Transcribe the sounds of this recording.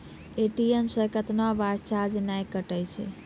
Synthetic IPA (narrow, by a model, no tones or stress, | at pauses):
eʈiemsəɾkət̪nabaɾt͡ʃʰad͡ʒnajkəʈəjt͡ʃʰɛ̰